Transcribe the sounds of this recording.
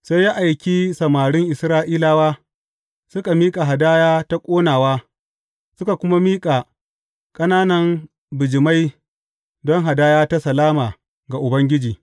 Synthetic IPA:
sa˦jːa˦ʔa˨jkʲi˦sɐ˨maː˨ɽɪ˦ŋʔɪ˨sɾaː˦ʔiː˦laː˦waː˦ | sʊ˦ka˨miː˦kʼa˨ɦa˨daː˦jaː˦ta˦kʷʼoː˦naː˨waː˦ | sʊ˦ka˨kʷʊ˦ma˦miː˦kʼa˨ | kʼɐ˦naː˦nɐ˦m | bɪ˨d͡ʒɪ˨ma˦j | dɔ˦ŋɦa˨daː˦jaː˦ta˦sɐ˨laː˦maː˨ | ɡa˨ʔʊ˨bɐ˦ŋɡʲɪ˦d͡ʒiː˨

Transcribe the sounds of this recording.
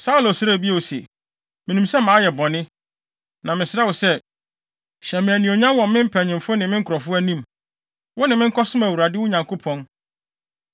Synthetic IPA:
sa˦u˦lo˨sɾæ˦˨bi˦a˨o˨sḛ˨ | mɪ̃˨nũ˨msɛ˦mãː˨˦jɛ˨bɔ˨nɪ̃˦ | nã˨mɪ̃˨sɪ˦ɾɛ˦wɔ˨sɛ˦ | ɕɛ˨mɪ̃˨æ˨nĩ˨o˨ɲã˦nwɔ̃˨m˦mɪ̃˦m̩˦pʰæ˨ɲɪ̃˨mfʊ˦nɪ̃˨mɪ̃˦ŋ̩˦kʰʊ˨ɔ˨fʊ˦æ˦nĩ˦˨m | wʊ˦nɪ̃˨mɪ̃˦ŋ̩˦kʰɔ˦sʊ̃˦mæ˨wu˨ɾa˨dɪ˦wʊ˦ɲã˨ŋkʰo˦pʰɔ̃˦n

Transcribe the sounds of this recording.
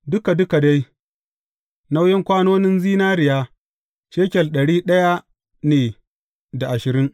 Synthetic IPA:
dʊ˦ka˨dʊ˦ka˨da˦j | na˦wjɪ˦ŋkʷaː˦noː˦nɪ˦nziː˦naː˦ɾɪ˨jaː˦ | ʃeː˦kʲɛ˨lɗɐ˨ɽiː˦ɗɐ˦ja˦ | neː˨ | da˨ʔa˨ʃɪ˨ɾɪ˦ŋ

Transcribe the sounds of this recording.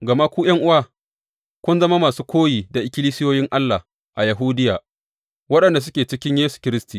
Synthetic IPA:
ɡɐ˨ma˦kʷuː˦j̰ɐ˦ŋʔʊ˦wa˦ | kʷʊ˦nzɐ˦ma˦maː˨suː˦kʷoː˦jiː˨da˨ʔɪ˨kʲɪ˦liː˦sɪ˦joː˦jɪ˦ŋʔa˦lːa˨ | ʔa˨jɐ˨ɦuː˦dɪ˦jaː˨ | wɐ˦ɗɐ˨nda˨s̬ʊ˦kʲeː˨t͡ʃɪ˦kʲɪ˦ɲjeː˦su̥˨kʲɪ˦ɾɪ˦stiː˨

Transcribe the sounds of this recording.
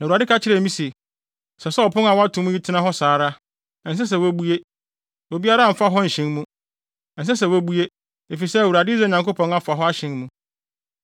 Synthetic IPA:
na˨a˨dɪ˦kʰa˦t͡ɕʰɪ˦ɾɛ˨mĩ˦se˨ | sɛ˨sɛ˦ɔ˨pʰʊ̃˦na˨wɔ˦a˦tʰʊ̃˨mũ˦ji˦tʰɪ˦nã˦ɦɔ˦saː˨˦ɾa˦˨ | n̩˨s̬ɛ˦s̬ɛ˨wæ˦bu˦e˦ | wo˨bi˦a˦ɾa˦˨m̩˨fa˦ɦɔ˦n̩˨ɕɪ̃˦nmũ˦˨ | n̩˨s̬ɛ˦sɛ˨wbu˦e˦ | e˨fi˨sɛ˦˨wu˨ɾa˨dɪ˦zɛ˦˨ɲã˨ŋko˦pʰɔ̃˨na˨fa˨ɦɔ˦a˦ɕɪ̃˦nmũ˦

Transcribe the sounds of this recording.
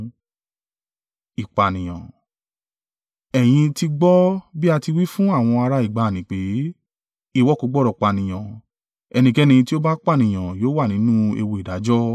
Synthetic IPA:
i˨k͡pa˨nĩ˨j̃ã̰˨ | ɛ˨j̃ĩ˧ti˧ɡ͡bɔ˦bi˦a˧ti˧wi˦fũ˦a˦˨w̃ɔ̃˧a˧ɾa˧i˨ɡ͡ba˨nĩ˨k͡pe˨˦ | i˦˨wɔ˦˨ko˨˧˦ɡ͡bɔ˦˨ɾɔ˨k͡pa˨nĩ˨j̃ã˨ | ɛ˧nĩ˧kɛ˦nĩ˧ĩ˧ti˦o˦ba˦k͡pa˦˨nĩ˨j̃ã˨joː˨˦wa˦˨nĩ˨˦nũ˦ḛ˧wo˧i˨da˨˦d͡ʒɔ˦

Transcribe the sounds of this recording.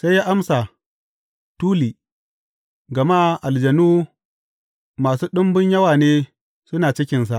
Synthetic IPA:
sa˦jaː˦ʔa˦msa˨ | tuː˦liː˨ | ɡɐ˨ma˦ʔa˨ld͡ʒɐ˨nuː˦ | maː˨suː˦ɗʊ˦mbʊ˦ɲjɐ˦waː˨neː˦ | sʊ˦naː˨t͡ʃɪ˦kʲɪ˨ns̬a˨ʔ

